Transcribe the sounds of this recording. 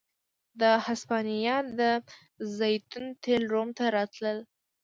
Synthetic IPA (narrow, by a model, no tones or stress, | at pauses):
d̪əhaspɑnijɑd̪ə | zajt̪unt̪ʰelɾomt̪aɾɑt̪ləl